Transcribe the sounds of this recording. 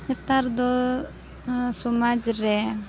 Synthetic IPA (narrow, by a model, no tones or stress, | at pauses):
ɛt̪aɾd̪ɔ | sɔmad͡ʒɾɛ